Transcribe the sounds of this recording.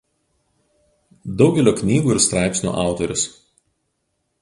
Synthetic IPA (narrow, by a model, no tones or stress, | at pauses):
d̪ɒʊɡʲɛlʲoːknʲiːɡuːɪɾst̪ɾɑˑɪpʲsʲnʲṵːʔɑˑʊt̪ɔɾʲʊs